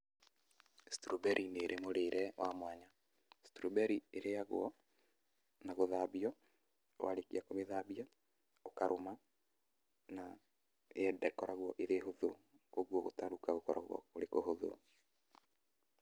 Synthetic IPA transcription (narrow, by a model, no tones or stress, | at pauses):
stuɾobɛɾʔineɾʔemoɾeɾɛwamwaɲa | stuɾobɛɾieɾejaɣw̰ɔ | naɣoðaβiɔ | wʔa̰ɾekiakomeðaːβia | okaɾʔoma | na | ɛdɛkɔɾaɣwɔʔeɾeɦoðo | koɣwɔɣo̰taɾukaɣokɔɾa̰ɣwɔ̰oɾekohoðo̰